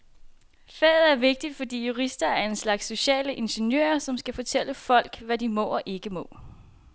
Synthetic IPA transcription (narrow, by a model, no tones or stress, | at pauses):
fɛ̰ːð̞̩ˠæɐʋe̝ɡ̥̚d̥id̥fɒ̽d̥ḭːjuʁisd̥ɐæɐe̝nslɑ̈ɡ̥sːo̝ɕɛ̰ːləʔe̝nɕenjø̰ːɐsɒ̽msɡ̥æfɒ̽t͡sʰel̰əfɒ̽l̰ɡ̥ʋæd̥imɔ̰̽ːɒ̽ʔe̝ɡ̥əmɔ̽ː